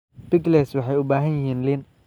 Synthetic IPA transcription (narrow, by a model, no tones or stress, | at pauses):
bɪɡlɛswɑħɑjʊbaːɦɐnjɪɦiːnlɪn